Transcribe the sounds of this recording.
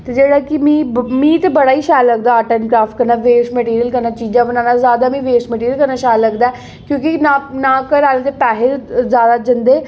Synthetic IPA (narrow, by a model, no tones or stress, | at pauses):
t̪eːd͡ʒeːɽaːkɪmĩːmĩːt̪ebəɽaːiːʃaːjləɡ̚d̪aːʈənkɾaːfʈ̚kəɾnaːʋeːʃmɛʈiːɾijəlkəɾnaːt͡ʃiːd͡ʒãːbənãːnaːzjaːd̪aːmĩːʋeːʃmɛʈiːɾəlkəɾnaːʃaːjləɡd̪aɛː | kjõːkinanaːkəɾaːled̪epɛːɦezjaːd̪aːd͡ʒənd̪eː